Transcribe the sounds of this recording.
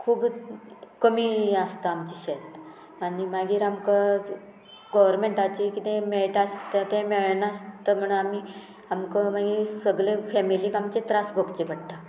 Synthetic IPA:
kʰuːb | kəmiəst̪aːmt͡ɕiɕet̪ | animaɡiːɾamka | ɡɔʋəɾmeɳʈat͡ɕikit̪ẽmeɭʈast̪at̪ẽmeɭnaəst̪əm̤əɳami | amkəmaɡiːɾɾsəɡɭefɛmiliːkamt͡ɕet̪ɾasbʱəkt͡ɕeʋaɽt̪a

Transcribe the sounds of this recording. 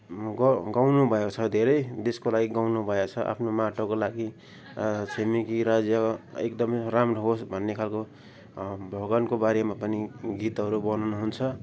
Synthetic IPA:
ɡʌɡawnubʱʌet͡sʰʌd̪ʱeɾʌjd̪eskolaɡiɡawnubʱʌet͡sʰʌʔa̰pʰnomaʈokolaɡi | semikiɾad͡zjaekd̪ʌmʌjramroɦosbʱʌnːekʰalko | bʱʌɡʌnkobaɾemapʌniɡit̪ɦʌɾubʌnʌnuɦunt͡sʰʌ

